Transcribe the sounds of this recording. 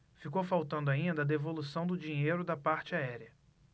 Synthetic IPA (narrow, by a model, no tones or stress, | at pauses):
fikowfawt̪ɐ̃nd̪ʊaĩnd̪ɐd̪evolusɐ̃w̃d̪ʊd͡ʒĩɲejɾʊd̪ɐpaɾt͡ʃɪaɛɾiɐ